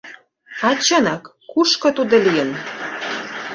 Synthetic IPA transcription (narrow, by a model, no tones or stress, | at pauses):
ɑt͡ɕənɑkː | uʃkɤ̆t̪ud̪olijən